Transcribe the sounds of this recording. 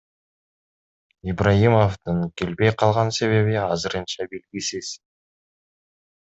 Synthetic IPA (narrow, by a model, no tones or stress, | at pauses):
ibrajimo̞ft̪ɯŋkʲe̞lbe̞jqʰɑlˠʁɑnse̞βe̞βɪɑzɨɾɯnt͡ʃɑbe̞lɡʲisiz̥